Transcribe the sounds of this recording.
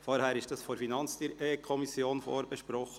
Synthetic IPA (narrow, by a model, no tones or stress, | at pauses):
foːɾhæːɾɪʃtd̥ɑsfoɾfinɑnt͡sd̥iɾʔeːkʰɔmisjoːnfo̰ːɾbɛʃpɾɔχə